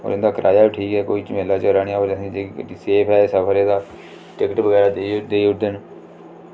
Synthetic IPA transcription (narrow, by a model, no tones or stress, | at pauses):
o̰ːɾɪnd̪aːkəɾʔa̰ːjaːʈʰiːkɦɛːkoit͡ʃmeːlaːt͡ʃəɾaːɽijaːoːɾəsĩːd͡ʒeːiseːpʰɛːsəpʰəɾeːd̪aː | ʈɪkəʈbəɡɛːɾaːd̪ed̪eːʊɖən